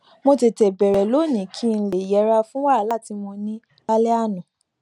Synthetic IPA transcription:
mo˧te˨tɛ˨bɛ˨ɾɛ˨lo˨˦˨nĩ˨kʰi˦˧n̩˧le˨jɛ˨˦ɾa˧fũ˦wa˦˨˦la˦˨ti˧mɔ̃˧nĩ˦ | ba˦lɛ˦a˦˨nũ˨

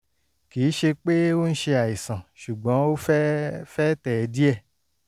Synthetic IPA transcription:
kiː˨˦ʃe˧k͡pe˦o˦n̩˦ʃe˧a˨i˨sã˨ʃu˨ɡ͡bɔ̃˨˦o˦ffɛ˦tɛ˨ɛ˨˧di˦ɛ˦˨

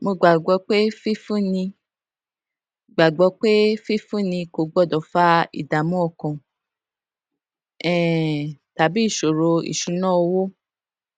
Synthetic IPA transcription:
mo˧ɡ͡ba˨ɡ͡bɔ˧k͡pe˦fi˦fũ˦nĩ˧ | ɡ͡ba˨ɡ͡bɔ˧k͡pe˦fi˦fũ˦˨nĩ˧ko˧˨ɡ͡bɔ˦˨dɔ˨fa˦ḭ˨da˨mũ˦ɔ˦˨kɔ̃˨ | ɛ̃˦˨ta˨bi˦˨ʃo˨ɾo˨˧ḭ˨ʃu˨˦nã˦˧wo˦

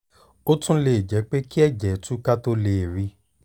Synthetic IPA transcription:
o˦tũ˦le˨d͡ʒɛ˨˦k͡pe˦ki˦ɛ˦˨d͡ʒɛ˨˦tũ˦ka˦to˧le˨ɾi˨˧

